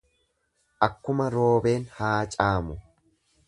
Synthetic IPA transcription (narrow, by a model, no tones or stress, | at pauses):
ʔɐkːʊmɐɾo̞ːbe̞ːnhaːt͡ʃʼaːmʊ